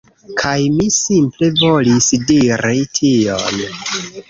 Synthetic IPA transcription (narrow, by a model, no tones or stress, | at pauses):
kʰajmisimple̞vo̞lisdiɾitʰion